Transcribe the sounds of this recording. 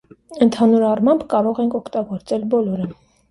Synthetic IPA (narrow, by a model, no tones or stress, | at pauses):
ənt̪ʰɑnuɾɑrmɑmbkɑɾɔʁɛŋkʰɔkʰt̪ɑɡɔɾt͡sɛlbɔlɔɾə